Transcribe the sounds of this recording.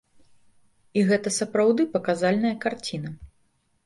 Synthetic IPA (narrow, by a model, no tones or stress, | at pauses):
iɣɛt̪ɐsɐpɾawd̪ɨpɐkazalʲnɐjɐkart͡sʲinɐ